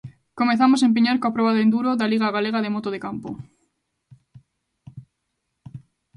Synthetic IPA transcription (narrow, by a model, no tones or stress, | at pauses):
komeθamos̬aemp̬iɲaɾkoapɾoβaðend̪uɾoðaliɣ̞aɣaleɣaðemot̪oðekampo